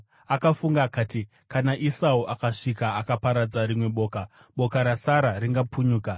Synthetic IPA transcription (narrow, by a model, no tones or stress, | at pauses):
akafuŋɡaːkaːti | kanaʔisauʔakaʂikaːkapaɾad͡zaɾimwe̞ɓo̞ːka | ɓo̞kaɾasaɾariŋɡapʰuɲuːka